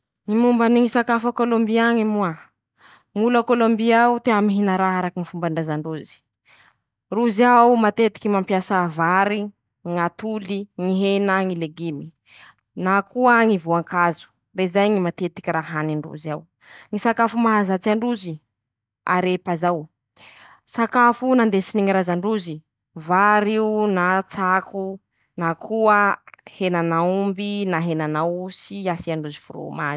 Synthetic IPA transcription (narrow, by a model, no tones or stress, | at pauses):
ŋimumbaniŋisakafakolombiaŋimua | ŋulakolombiaut̪eamiɦinaɾaɦaɾakinifumbaɳɖ͡ʐazaɳɖ͡ʐuzi̥ | ruziaumat̪et̪i̥kʲimampjasavaɾi | ŋat̪uliŋiɦenaŋileɡimi | nakuaŋivuaŋkazu̥ | rezajŋimat̪et̪i̥kʲiɾaɦaniɳɖ͡ʐṵzaw | ŋisakafumaɦazat͡siaɳɖ͡ʐuzi | a̰ɾepazaw | sakafunand̪esiniŋiɾazaɳɖ͡ʐuzi | vaɾiunat͡sakʰu | nakʰuəhenanaumbinaɦenanawsiasiaɳɖ͡ʐuzifuɾo̰maz